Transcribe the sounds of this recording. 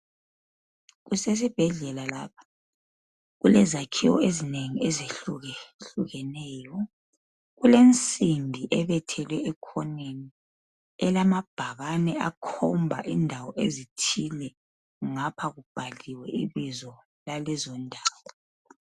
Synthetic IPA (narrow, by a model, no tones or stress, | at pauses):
ɣuses̬ib̥ʱɛɮɛlalaːpʰḁ | ɣulɛzakʰiwɔ̰ezineŋiɛzeɬuɣɛɬuɣɛnɛːjɔ | ɣulent͡sʼimbʱiʔɛβɛtʰɛlwɛːkʰɔneni | ɛlamab̥ʱaɣanɛakʰɔmbʱaʔindʱawɔʔezitʰilɛ | ŋapʰaɣub̥ʱaliwɛʔiβizɔ | lalɛzɔndʱaːwɔ